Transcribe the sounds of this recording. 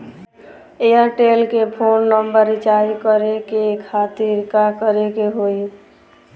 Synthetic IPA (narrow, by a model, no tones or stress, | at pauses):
ejaʈelkepʰonːəmbəɾit͡ʃajkəɾekekʰat̪iɾkakəɾekeɦoj